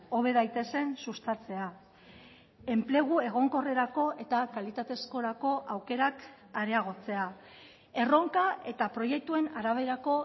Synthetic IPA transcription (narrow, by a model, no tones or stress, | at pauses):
o̞β̞e̞ðajt̪e̞se̞nsust̪at͡se̞a | e̞mple̞ɣ̞ue̞ɣ̞o̞ŋko̞reɾako̞ʔe̞t̪akalit̪at̪e̞sko̞ɾako̞ʔawke̞ɾak | aɾe̞aɣ̞o̞t͡se̞a | e̞ro̞ŋkaʔe̞t̪apɾo̞je̞k̚t̪ue̞naɾaβ̞e̞ɾako̞